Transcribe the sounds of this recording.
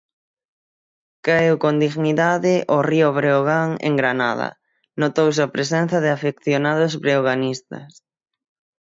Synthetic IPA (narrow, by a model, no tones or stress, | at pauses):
kaewkond̪iɣniðaðɪʔorioβɾeoɣaŋḛŋɡɾana̰ðɐ̰ | not̪ows̬eɐpɾes̬ɛn̟θɐðɪafekθjonað̞ʊzβɾeoɣanist̪ɐ̰s